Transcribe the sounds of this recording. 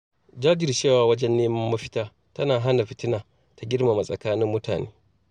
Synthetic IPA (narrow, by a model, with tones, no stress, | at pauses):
d͡ʒaː˦d͡ʒɪ˨rt͡ʃeː˦˨waː˨wɐ˦d͡ʒɛ˦nːeː˦mɐ˦mːa˦ɸɪ˦taː˦ | tɐ˦naː˨ɦa˦na˨ɸɪ˦tɪ˦naː˨ | ta˦ɡʲɪ˦ɽma˨a˨sʼɐ˨kaː˦nɪ˦mːʊ˦taː˨nḛː˦